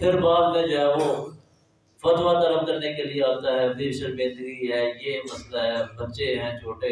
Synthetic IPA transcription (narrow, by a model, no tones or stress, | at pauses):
pʰɪɾbaːd̪mẽd͡ʒoɦɛːʋo | fɐd̪ʋat̪ɐləb̚kɐɾnekelieaːt̪aɦɛːdiʃəɾbẽːnd̪ɾiɦɛːjemɐslaɦɛːbɐːʃeɦɛ̃ːt͡ʃʰoːʈe